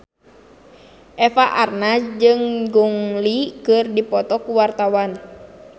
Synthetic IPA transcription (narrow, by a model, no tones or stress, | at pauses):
ʔɛfaʔarnad͡ʒɨŋɡuŋlikɨrdipɔt̪ɔkuwart̪awan